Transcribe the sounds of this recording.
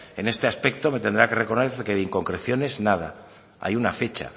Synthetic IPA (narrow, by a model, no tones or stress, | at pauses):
e̞ne̞st̪e̞aspe̞k̚t̪o̞me̞t̪end̪ɾake̞re̞konekeðiŋko̞ŋkɾe̞θjo̞ne̞znaða̰ | a̰junafet͡ʃa̰